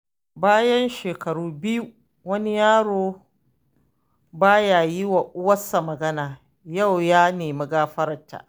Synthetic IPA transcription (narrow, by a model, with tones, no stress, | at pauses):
baː˦jɐ˦nʃeː˨kɐ˨ɽuː˦bɪ˦ju˦ | wɐ˦ni˦jaː˦ɽoː˦ | baː˦jaː˨jɪ˦wa˨ʔʊ˦wɐ˦sːa˨mɐ˨ɡɐ˦naː˨ | ja˦˨wjaː˦neː˨mɐ˨ɡaː˦ɸɐ˦ɾɐ˨ntːa̰ː˨ʔ